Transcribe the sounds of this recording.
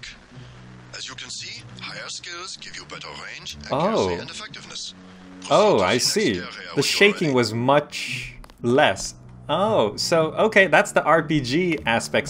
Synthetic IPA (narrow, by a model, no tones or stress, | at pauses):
ɨzj̃ihkɪlz̥ɡ̥ɪvjɨbɛɾẽoʊfɛk̚tvns | oʊa̰ɪsiðɨʃeɪkɪ̃ŋwʌzmʌt͡ʃ | lɛs | oʊsoʊʔoʊkʰeɪðætsðiʔɑɹpid͡ʒiæspɛk̚t